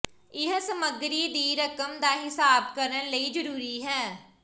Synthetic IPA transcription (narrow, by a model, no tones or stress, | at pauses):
ɪɦsəməɡɾiːd̪iːɾəkəmd̪aːɦɪsaːb̚kəɾələiːd͡ʒəɾuːɾiːɦɛː